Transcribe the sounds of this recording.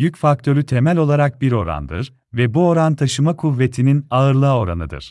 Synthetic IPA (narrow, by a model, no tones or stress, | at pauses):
jycfak̚t̪ʰø̞ɾyt̪ʰemælʲo̞lˠaɾak̚biɾo̞ɾa̰nd̪ɯ̰ɾ | vɛbuo̞ɾant̪ʰaʃɯmakʰuvːe̞t̪ʰininaɯɾlˠaːo̞ɾa̰nɯd̪ɯ̰ɾ̥